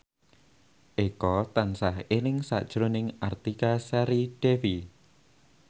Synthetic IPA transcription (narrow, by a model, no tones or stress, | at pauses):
ʔekɔt̪ansahenɪŋsa̰ʔd̥ʒ̥ɾonɪŋʔart̪ikasɛɾid̥efi